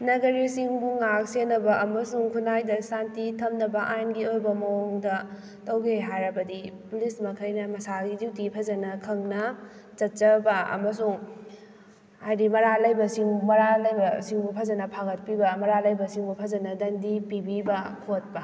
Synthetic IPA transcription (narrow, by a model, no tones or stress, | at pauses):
nɐɡɐɾisiŋbuŋak̚senːɐbɐʔɐmɐsuŋkʰunajdɐsantitʰɐmnɐbɐʔajnɡiojbɐmɐwoŋdɐ | tɐwɡeɦajɾɐbɐdipulismɐkʰɐjnɐmɐsaɡiziwtipʰɐzɐnɐkʰɐŋnɐ | t͡ʃɐt̚t͡ʃɐbɐɐ̰mɐsuŋ | ajdimɐɾalɐjbɐsiŋmɐɾalɐjbɐsiŋbupʰɐzɐnɐpʰaɡɐt̚pibɐmɐɾalɐjbɐsiŋbupʰɐzɐnɐdɐndipibibɐkʰot̚bɐ